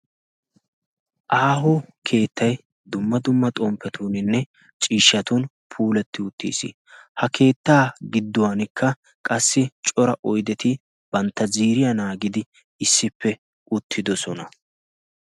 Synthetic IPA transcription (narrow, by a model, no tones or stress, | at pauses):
ʔaːɦʊkʰe̞ːt̪ʰːɐj | d̪ʊmːɐd̪ʊmːɐt̪ʼɔːmpːɛt̪ʰuːnɪnːɛ | t͡ʃʼiːʃːɐt̪un | pʰuːlɛt̪ːɪʊt̪ːḭːsḭ | hɐkʰe̞ːt̪ːaːɡɪd̪ːɔwanɪkːɐ | kʼɐsːɪt͡ʃʼɔɾɐʔɔjd̪ɛt̪ɪ | b̥ɐnt̪ːɐziːɾɪjɐnaːɡɪd̪ɪ | ɪsːɪpʰːɛ | ʊt̪ʰːɪd̪ɔsɔnɐ